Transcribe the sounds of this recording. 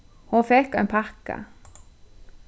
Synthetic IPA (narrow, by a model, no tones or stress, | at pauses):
hoːfɛkɑɪnpʰɑkə̰